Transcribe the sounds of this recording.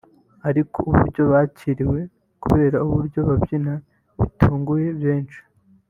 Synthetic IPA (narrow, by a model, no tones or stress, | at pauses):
aɾikʰo̰ʔuβṵɾɟo̞βaːciɾiwe̞ | kṵβe̞ːɾauβuɾɟo̞βabɟina | βḭtʰuːŋɡuje̞βjeːnt͡ʃi̥